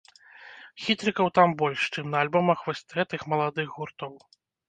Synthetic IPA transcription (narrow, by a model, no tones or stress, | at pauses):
xʲit̪ɾɨkɐwt̪ambɔlʲʂt͡ʂɨmnɐalʲbɔmɐxvɔsʲɣɛt̪ɨxmɐlˠad̪ɨxɣurt̪ɔw